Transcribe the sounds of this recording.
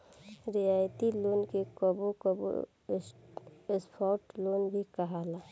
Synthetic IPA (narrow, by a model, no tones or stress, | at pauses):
ɾɪjaːjt̪iloːnkekəbokəbo̰ | espʰɔːʈloːnbʱikəɦaːlaː